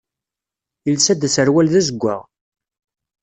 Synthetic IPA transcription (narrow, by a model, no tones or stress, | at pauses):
ilsæd̪æsəɾwælðæzəɡʷːa̰ʁ